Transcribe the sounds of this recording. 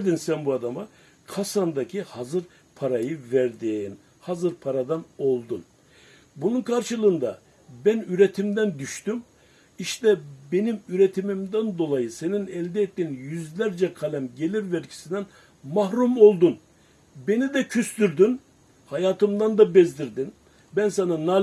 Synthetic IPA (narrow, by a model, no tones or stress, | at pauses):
d̪insænbuad̪ama | kʰasand̪acʰihazɯɾ | pʰaɾajɯvæɾd̪iːn | hazɯɾpʰaɾad̪ano̞lˠd̪un | bununkʰaɾʃɯlˠɯːnd̪a̰ | bænyɾet̪ʰimd̪ænd̪yʃt̪ym | iʃt̪ɛbe̞nimyɾet̪ʰimimd̪ænd̪o̞lˠajɯse̞ninɛlʲd̪ɛɛt̪ːiːnjyzlʲæɾd͡ʒɛkʰalʲæmɟe̞lʲiɾvɛɾcʰi̥sind̪æn | maɦɾumo̞lˠd̪un | be̞nid̪ɛcʰyslyɾd̪yn | hajaːt̪ʰɯmd̪and̪abɛzd̪ʲiɾd̪in | bænsanana